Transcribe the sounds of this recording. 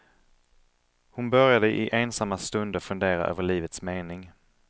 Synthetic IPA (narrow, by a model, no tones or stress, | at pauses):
hʊnbœɾjad̪əʔɪʔeːnsamːast̪ɵnd̪əɾfɵnd̪eːɾa̰ʔø̰ːvəɭiːvət̪smeːnɪŋ